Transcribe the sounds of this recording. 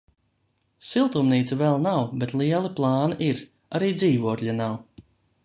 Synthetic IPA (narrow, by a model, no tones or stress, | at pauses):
silˠt̪umniːt̪savɛlˠnawbɛt̪lˠiɛlˠiplˠɑːniʔiɾ | aɾiːd̪ziːvuɔkʎʲanaw